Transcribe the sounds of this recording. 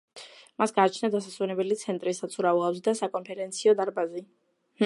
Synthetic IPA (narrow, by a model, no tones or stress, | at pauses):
masɡaːt͡ʃʰnad̪asaswɛnɛbɛlit̪sʰɛnt̪ʼɾisat̪sʰuɾauavzd̪asakʼɔnpʰɛɾɛnt̪sʰiɔd̪aɾbazi